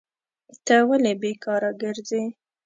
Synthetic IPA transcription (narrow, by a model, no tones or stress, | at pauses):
t̪əwalebekɑɾaɡəɾze